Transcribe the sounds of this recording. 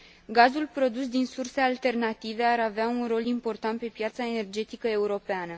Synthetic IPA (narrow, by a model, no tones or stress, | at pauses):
ɡazulpɾo̞d̪usd̪insurse̞alt̪e̞rnat̪ive̞aɾaveaunro̞limpo̞rt̪ant̪̚pe̞pjat̪saene̞rd͡ʒe̞t̪ikəe̞uɾo̞peanə